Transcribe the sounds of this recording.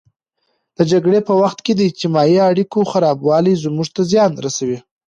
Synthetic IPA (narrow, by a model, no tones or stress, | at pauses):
d̪̥əd͡ʒaɡɽepəwaxt̪ked̪əɪd͡ʒt̪ɪmɑjiaɽikoxaɾɑbwɑlizmuʐt̪azjɑnɾasawi